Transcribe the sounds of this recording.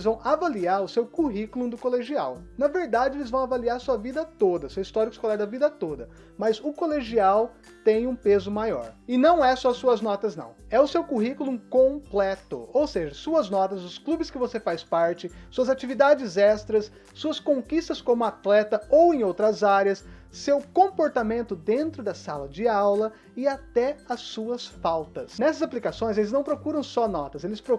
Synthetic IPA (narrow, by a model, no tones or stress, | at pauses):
zvɐ̃w̃ʔavaliaɾʊsewkuɦikulũd̪ʊkoleʒia̰wnɐveɾd̪ad͡ʒɪelɪzvɐ̃w̃avaliaɾsuɐvid̪ɐt̪od̪ɐsewist̪ɔɾikʊ̥ɪskolaɾd̪ɐvid̪ɐt̪od̪ɐ | mɐzʊkoleʒiaw | t̪ẽj̃ũpezʊmajɔ̰ɾɪnɐ̃w̃ɛsɔsuɐznɔt̪ɐznɐ̰̃w̃ɛʊsewkuɦikulũkõplɛt̪ʊ̰owseʒɐsuɐznɔt̪ɐzʊsklubɪskɪvosefajspaɾt͡ʃɪsuɐzat͡ʃivid̪ad͡ʒɪzɛst̪ɾɐsː | uɐskõkist̪ɐskõmʊat̪lɛt̪ɐowẽj̃owt̪ɾɐzaɾiɐsː | ewkõmpoɾt̪amẽnt̪ʊd̪ẽnt̪ɾʊd̪ɐsalɐd͡ʒɪaawlɐ | ɪat̪ɛɐsuɐsfawt̪ɐsnɛsɐzaplikasõj̃zelɪznɐ̃w̃pɾokuɾɐ̃w̃sɔnɔt̪ɐszelɪspɾo